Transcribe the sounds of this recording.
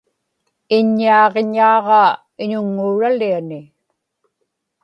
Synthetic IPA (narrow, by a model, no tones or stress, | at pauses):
ɪɲːiɑːʁeɲɑːʁɑ | ɪɲʊŋːuɻalianɪ